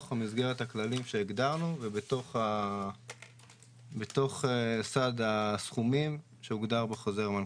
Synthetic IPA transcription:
χamizɡe̞ʁe̞t̪haklalimʃe̞ːɡd̪aʁnuvebet̪o̞χa | bet̪o̞χesadasχumim | ʃeuɡd̪aʁbeχoze̞ʁman

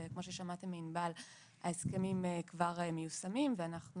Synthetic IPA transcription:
kmo̞ʃ̬eʃamatemːinbal | haeskemimekvaʁemejusamimveanaχnu

